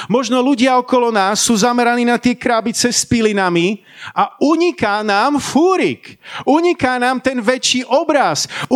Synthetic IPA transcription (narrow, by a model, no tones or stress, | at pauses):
mɔʒnɔluɟɪaɔkɔlɔnaːsːuːzamɛɾaniːnat̪ɪɛkɾaːbit͡sɛspilinami | auɲikaːnaːmfuːɾikuɲikaːnaːmt̪ɛnʋɛt͡ʃiːʔɔbɾasu